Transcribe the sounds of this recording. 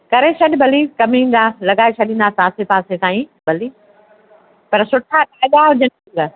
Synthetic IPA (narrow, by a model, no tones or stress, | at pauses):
kɐɾeʃʰɐɗɪbʱɐlikɐmĩːn̆d̪aːlɐɠaːesʰɐɗĩːnd̪aːsaːsepaːset̪aːĩbʱɐliː | pɐɾsʊʈʰaʈaːɗ̪aɦʊd͡ʑən | lɐ